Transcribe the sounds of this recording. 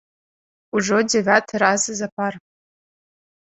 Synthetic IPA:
uʐodʲevʲatʰɾazɨzapʰar

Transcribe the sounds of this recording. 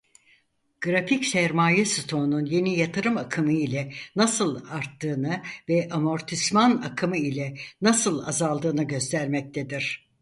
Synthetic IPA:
ɡ̥ɾaficsæɾmaːjɛsɯt̪ʰo̞nunje̞nijat̪ʰɯɾɯmakʰɯmɯilʲɛnasɯlˠaɾt̪ʰːɯːnɯvɛʔamo̞ɾt̪ʰismanakʰɯmɯilʲɛnasɯlˠazalˠd̪ɯːnɯɟø̞st̪ʰæɾmɛc̚t̪ʰed̪iɾ̥

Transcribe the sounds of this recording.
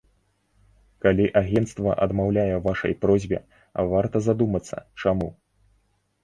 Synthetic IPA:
kalʲiʔaɣʲɛnt̪st̪vɐ̰ʔɐd̪mawlʲajɛvaʂɐ̰jpɾɔzʲbʲɛ̰ | ɐ̰vart̪ɐzad̪umɐt̪sːɐ̰t͡ʂamu

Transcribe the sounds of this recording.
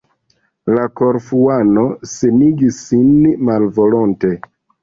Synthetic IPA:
lako̞ɾfuano̞se̞miɡisːinmalvo̞lonte̞

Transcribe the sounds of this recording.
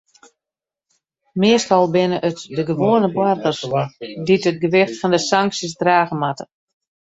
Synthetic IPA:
mɪəstɔlˠbɪnəʔətdəɡəʋoːənəbwartərsditət̚ɡəʋɪxtfɔndəsaŋksjəsdraːɣəmatə̥

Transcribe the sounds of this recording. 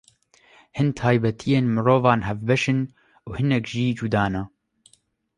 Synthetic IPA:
hɨnt̪ʰaːjbɛt̪ʰijeːnmɨɾoːvɑːnɦɛvbɛʃɨn | uhɨnɛkʒiːd͡ʒuːd̪ɑːnɛ

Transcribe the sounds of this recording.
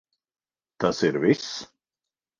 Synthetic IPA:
t̪asɪɾvɪs

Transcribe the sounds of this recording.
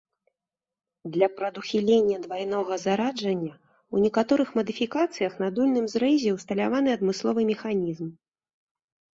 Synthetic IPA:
d̪lʲɐpɾɐd̪uxʲilʲenʲːɐd̪vajnɔɣɐzaɾad͡ʐɐnʲːɐ | unʲɛkat̪ɔɾɨxmɐd̪ɨfʲikat̪sɨjɐxnɐd̪ulʲnɨmzɾɛjzʲɛwst̪ɐlʲavan̪ɨɐd̪mɨslˠɔvɨmʲɛxanʲizm

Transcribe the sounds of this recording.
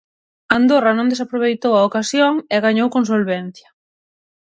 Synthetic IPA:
and̪oranõnd̪esapɾoβ̞ejt̪owaokasjoŋeɣaɲowkons̬olβen̟θjɐ

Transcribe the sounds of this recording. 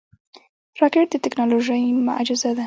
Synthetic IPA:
ɾɑkeʈ̚d̪ət̪ɪknɑloʒəjmʊ̰ʔad͡ʒɪzad̪a

